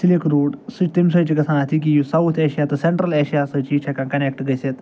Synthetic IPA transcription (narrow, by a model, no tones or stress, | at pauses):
silekɾoɽsiʈt̪imsət͡ɕikɐsãnat̪ʰikisawt̪ʰeɕijat̪əseɳʈɾəleɕijasət͡ɕit͡ɕʰɛkãkɐnekʈɡəjset̪